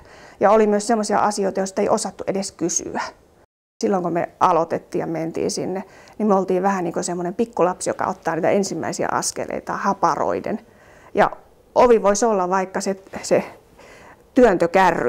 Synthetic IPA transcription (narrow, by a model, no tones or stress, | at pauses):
jɑolimyøssemːosiɑ̰ʔɑsioit̪ɑjost̪ːeiʔosɑt̪ːuʔedeskysy̰æ | silːoŋkomḛʔɑlot̪et̪ːiːjɑment̪ḭːsinːenimyøolt̪iːʋʋæhæniːŋkosemːonempikːulɑpsjo̰kɑ̰o̰t̪ːɑːniːt̪æ̰ʔensimːæ̰isiæ̰ɑ̰skḛlḛit̪ɑhɑpɑro̰idḛn | jɑ̰ | ʔoʋiʋoisolːɑʋɑikːɑsese | t̪yønt̪økærː